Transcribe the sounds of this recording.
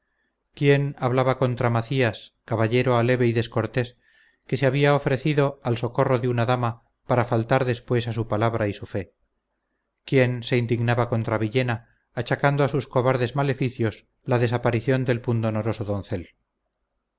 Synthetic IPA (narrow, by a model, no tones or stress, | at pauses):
kje̞naβlaβako̞nt̪ɾamaθiaskaβaʎe̞ɾoale̞βe̞iðe̞sko̞ɾt̪e̞s | ke̞seaβiaofɾe̞θiðo̞also̞ko̞roðeunaðama | paɾafalt̪aɾðe̞spwe̞sasupalaβ̞ɾaisufe̞ | kje̞nse̞ind̪iɣnaβako̞nt̪ɾaβiʎe̞naː | t͡ʃakand̪oasusko̞βaɾðe̞zmale̞fiθjo̞s | laðe̞sapaɾiθjo̞nd̪e̞lpund̪onoɾo̞so̞ðõnθe̞l